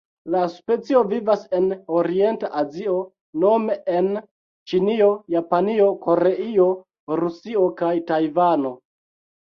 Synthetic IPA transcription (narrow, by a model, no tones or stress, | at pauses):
laspe̞t͡sio̞vivase̞no̞ɾie̞ntaʔazio̞ | no̞me̞en | t͡ʃinio̞japanio̞ko̞ɾe̞io̞ | ɾusio̞kajtajvano̞